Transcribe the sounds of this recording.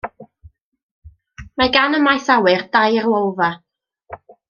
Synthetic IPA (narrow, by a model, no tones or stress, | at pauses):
maɡanəmajθawɨrdajərlˠɔwva